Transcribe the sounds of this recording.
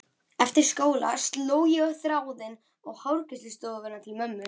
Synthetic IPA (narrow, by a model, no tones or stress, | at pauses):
ɛft̪ɪɾ̥skoːwla̰st̪loːwjɛœhθɾaːwðɪn | ɔɣhawɾkɪslɪst̪ɔðʏnːat̪ʰɪlmœmːʏ